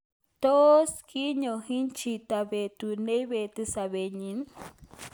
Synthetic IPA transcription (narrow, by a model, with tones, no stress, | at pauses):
t̪o˦skʰi˦ɲohi˦nt͡ʃi˧t̪abe˨t̪une˦jβe˨t̪ɨsaβe˨ɲin